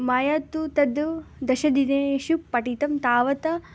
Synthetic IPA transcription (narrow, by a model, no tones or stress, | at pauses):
maːjaːt̪ːut̪ɐd̪ud̪ɐʃɐd̪ineʃupːɐʈit̪ɐmt̪aːʋɐt̪ɐ